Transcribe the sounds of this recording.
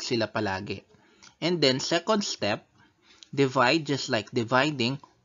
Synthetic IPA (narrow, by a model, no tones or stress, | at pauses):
sɪlapɐlaːɡɛ̰ | ʔɛ̃nd̪ɛ̃nsɛkɔ̃nd̪st̪ɛp̚ | d̪ɪvajd̪̚d͡ʒɐst̪lajk̚d̪ɪvajd̪ɪ̃ŋ